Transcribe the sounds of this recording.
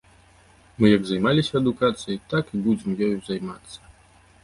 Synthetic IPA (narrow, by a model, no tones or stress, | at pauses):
mɨjɐɡzajmalʲisʲɐːd̪ukat̪sɨjit̪akibud͡zʲɛmjɔjzajmat̪sːɐ̥